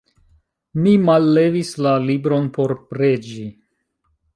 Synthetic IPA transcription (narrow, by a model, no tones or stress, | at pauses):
mimalːe̞vislalibɾo̞npo̞ɾpɾe̞d͡ʒi